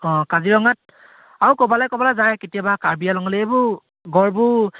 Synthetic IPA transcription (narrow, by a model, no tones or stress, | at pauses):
ɔ̃kaziɹɔŋat̚ | aɹukɔbalajkɔbalazajketiabakaɹbijalɔŋɔlɛebʊ | ɡɔɹbʊ